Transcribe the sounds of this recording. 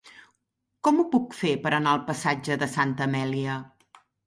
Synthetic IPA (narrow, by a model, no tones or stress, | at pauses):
kɔmupukfepəɾənaəlˠpəsad͡ʒəðəsant̪əmɛliə